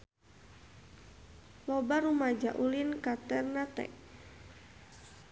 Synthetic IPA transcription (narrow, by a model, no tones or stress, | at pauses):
lɔbaɾumad͡ʒaʔulinkat̪ɛrnat̪ɛ̰ʔ